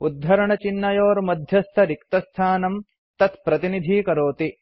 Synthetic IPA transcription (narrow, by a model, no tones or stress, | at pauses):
ud̪ʱːɐɾɐɳɐt͡ʃinːɐjoːɾmɐd̪ʱjɐst̪ʰɐɾikt̪ɐst̪ʰaːnɐm | t̪ɐt̪pɾɐt̪inid̪ʱiːkɐɾoːt̪i